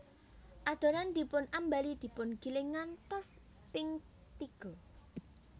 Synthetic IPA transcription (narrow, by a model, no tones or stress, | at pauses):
ʔad̪̥o̤ɾand̪̥i̤pʊnʔambalid̪̥i̤pʊnɡ̥i̤lɪŋantɔs | pɪŋ | t̪iɡ̥ɔ̤